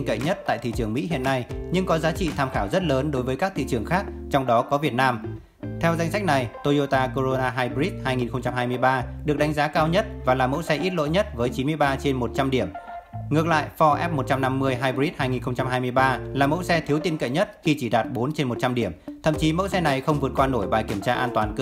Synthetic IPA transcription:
nkə̰˧˨jɲə˦˥t̚t̪a̰ː˧˨jt̪ʰḭ˧˨t͡ɕɨ˨˩əŋmḭ˧˥ɦḭ˧ənːa˧jɲɨ˧ŋkɔ˨˦zaː˨˦t͡ɕḭ˧˨t̪ʰaː˧mxaː˧˩wzə˦˥t̚ləː˨˦nɗo˨˦jvəː˨˦jkaː˦˥k̚t̪ʰḭ˧˨t͡ɕɨ˨˧˩əŋxaː˦˥k̚t͡ɕɔ˧wŋ͡mɗɔ˨˦kɔ˨˦vi˨˩ət̚naː˧m | t̪ʰɛ˧wza˧jŋ̟sa˦˥k̟̚na˨˩jt̪o˧jo˧t̪aː˧ko˧zo˧naː˧ɦaː˧jɓi˦˥t̚haː˧jŋi˨˩nxə˧wŋ͡mt͡ɕa˧mɦaː˧jmɨ˧əjɓaː˧ɗɨ˨˩ək̚ɗa˨˦jŋ̟zaː˨˦kaː˧wɲə˦˥t̚vaː˨˩laː˨˩mo̰˧˥sɛ˧ʔi˦˥t̚lo̰˧˥jɲə˦˥t̚vəː˨˦jt͡ɕi˨˦nmɨ˧əjɓaː˧t͡ɕe˧nmo˨˩t̚t͡ɕa˧mɗi˧˩əmŋɨ˨˩ək̚la̰ː˧˨jfɔ˧ʔɛ˦˥p̚mo˨˩t̚t͡ɕa˧mna˧mːɨ˧əjɦaː˧jɓi˦˥t̚haː˧jŋi˨˩nxə˧wŋ͡mt͡ɕa˧mɦaː˧jmɨ˧əjɓaː˧laː˨˩mo̰˧˥sɛ˧t̪ʰi˨˦wt̪i˧nkə̰˧˨jɲə˦˥t̚xi˧t͡ɕi˧˩ɗaː˨˩t̚ɓo˨˦nt͡ɕe˧nmo˨˩t̚t͡ɕa˧mɗi˧˩əmt̪ʰə̰˧˨mt͡ɕi˨˦mə̰˧˥wsɛ˧na˨˩jxə˧wŋ͡mvɨ˨˩ət̚kwaː˧no˧˩jɓaː˨˩jki˧˩əmt͡ɕaː˧ʔaː˧nt̪waː˨˩nk

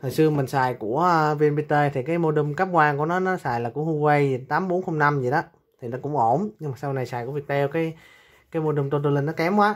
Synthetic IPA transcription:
t̪ʰɔ˨˩jsɨ˧əmï˨˩ŋ̟saː˨˩jku˧˩əvi˧ənɓi˧t̚t̪əː˧jt̪ʰi˨˩kaː˨˦jmo˧ɗɨ˧˩ŋ͡mka˦˥p̚kwaː˧ŋku˧˩ənɔ˨˦nɔ˨˦saː˨˩jlaː˨˩kʊ̰˧˥ŋ͡mhu˧wə˧jt̪aː˨˦mɓo˨˦nxo˧wŋ͡mna˧mzi˨˩ɗɔ˨˦ | t̪ʰi˨˩nɔ˨˦˥kʊ̰˧˥ŋ͡mʔo˧˩nɲɨ˧ŋmaː˨˩sa˧wna˨˩jsaː˨˩jku˧˥˦vi˨˩t̪ʰɛ˧wkaː˨˦j | kaː˨˦jmo˧ɗɨ˨˧˩ŋ͡mt̪o˧t̪o˧li˧˩nːɔ˨˦kɛ˨˦mkwaː˨˦

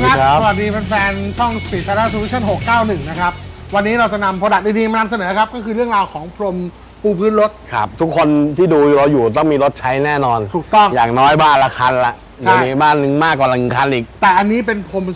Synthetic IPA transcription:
kʰa˦˥˦sa˧wa˨˩diː˧pe˧npʰɛː˧nt͡ɕʰɔ˥˩ŋsiː˨˩sa˧ɾaː˦˥˩su˧wi˦˥t͡ɕʰa˥˩nɦo˨˩kːaː˥˩wnɯ˨˩ŋna˦˥kʰa˦˥p̚wa˧nːiː˦˥ɾa˧wt͡ɕa˨˩na˧mpʰoː˧da˨˩t̪̚diː˧diː˧ma˧na˧ms̬a˧nɤː˩˦kʰa˦˥p̚kɔː˥˩kʰɯː˧ɾɯ˥˩ŋɾaː˧wkʰɔː˩˦ŋpʰɾo˧m | pʰuː˧˩pʰɯː˦˥nɾo˦˥t̪̚kʰa̰˦˥p̚t̪ʰu˦˥kʰːo˧nt̪ʰiː˥˩duː˧ɾa˧wjuː˨˩t̪̬ɔ˥˩ŋmiː˧ɾo˦˥t̪̚t͡ɕʰa˦˥jnɛː˥˩nɔː˧nt̪ʰuː˨˩t̪ɔ˥˩ŋjaː˨˩ŋnɔː˦˥jbaː˥˩nla˧˩kʰa˧˥nla˨˩ʔ | ma˨˩niː˧˩baː˥˩nːɯ˨˧ŋmaː˥˩kːwaː˨˩la˧˩nɯ˨˩kʰa˧˩nʔiː˨˩k̚t̪ɛː˨˩ʔa˧nːiː˦˥pe˧npʰo˧m

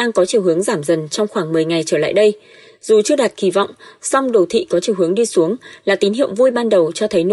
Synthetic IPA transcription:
aː˧ŋkɔ˨˦t͡ɕi˨˩əwɦɨ˨˦əŋzaː˧˩mzə˨˩nt͡ɕɔ˧wŋ͡mxwaː˧˩ŋmɨ˨˩əjŋa˨˩jt͡ɕəː˧˩la̰ː˧˨jɗə˧j | z̥u˨˩t͡ɕɨ˧əɗa˨˩t̚xi˨˦vɔ̰˧˨wŋ͡msa˧wŋ͡mɗə˨˩wt̪ʰḭ˧˨kɔ˨˦t͡ɕi˨˩əwhɨ˨˦əŋɗi˧su˨˦əŋlaː˨˩t̪i˨˦nɦḭ˧˨əwŋ͡mvu˧jɓaː˧nɗə˨˩wt͡ɕɔ˧t̪ʰə˨˦jn˧

